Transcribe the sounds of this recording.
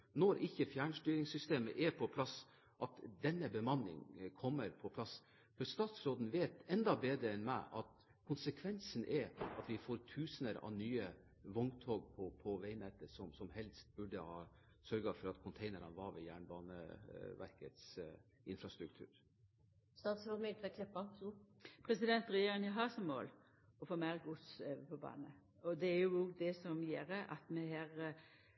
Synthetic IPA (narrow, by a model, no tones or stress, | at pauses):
nɔɾʔɪçːəfjæːɳʂʈ̪yːɾɪŋsʏst̪eːmə̰ʔɛpʰɔpʰlɑs | ʔɑt̪d̪ɛnːəbəmɑnɪ̰ŋkʰɔmːəɾpʰɔpʰlɑs | fœst̪ɑːt̪sɾoːd̪n̩ʋeːt̪ɛnd̪ɑbeːd̪ɾəɛnmæ̰ɪʔɑt̪ | kʰʊnsəkʰʋɛnsnʔɛɑt̪ʋɪfoːɾt̪ʰʉːsənəɾɑ̰nyːə | ʋʊŋt̪ʰoːɡ̚pʰɔpʰɔʋæɪnɛt̪ːəsɔmsɔmhɛlst̪̚bʉɖəhɑː | sœɾɡɑfɔɾɑt̪kʰʊnt̪ʰeɪnəɾɑnʋɑɾʋɛjæːɳbɑːnə̰ʋæ̰ɾkət̪s | ɪnfɾɑst̪ɾʉk̚t̪ʰʉ̰ːɾ | st̪ɑːt̪sɾoːd̪mɛt̪ɛkʰlɪpːɑ | pʰɾɛsɪd̪ɛnt̪ɾɛjeːɾɪŋəɦɑɾsɔmmo̰ːl | ɔfoːmæɾɡʊspʰɔbɑ̰ːnə | ɔd̪ɛæɾjʊoːɡd̪ɛsɔmjeːɾəʔɑt̪mɛɦæːɾ